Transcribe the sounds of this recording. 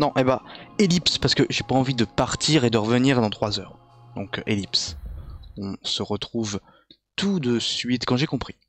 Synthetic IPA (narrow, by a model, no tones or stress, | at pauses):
nɔ̃ʔebãelipspaʁsə̥kəʒepaɑ̃vid̪əpaʁt̪ʰiʁed̪əʁəvəniʁd̪ɑ̃t̪χwazœːʁ | d̪ɔ̃kelips | ɔ̃səʁət̪χuv | t̪ud̪əsɥit̪kɑ̃ʒekɔ̃pχi